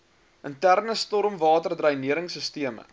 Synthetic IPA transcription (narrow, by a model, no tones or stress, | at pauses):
əntærnəstɔɾmvɑːtərdrɐjniəɾəŋsəstiəmə̰